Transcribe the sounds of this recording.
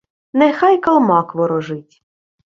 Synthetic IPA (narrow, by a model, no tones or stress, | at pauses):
nɛxɑjkɐlˠmɑkʋɔɾɔʒɪtʲ